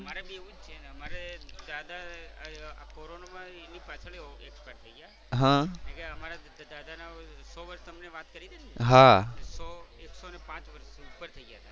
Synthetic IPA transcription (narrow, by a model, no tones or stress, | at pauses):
əmaɾabʱieʋũd͡ʒt͡ʃʰeneəmaɾed̪ad̪a | a̰koɾonamãenipat͡ʃʰəɭiekspeʈt̪ʰəiɡja | ɦãekeəmaɾa | d̪ad̪anasɔʋəɾst̪əmneʋat̪kəɾid̪enɦasɔeksoənepãt͡ʃʋəɾsupːəɾt̪ʰəiɡjat̪ʰa